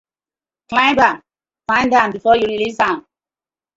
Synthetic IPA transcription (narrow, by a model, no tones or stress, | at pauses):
klãɪ̃mbãm | fãɪ̃ndãmbifɔjuɹilisãm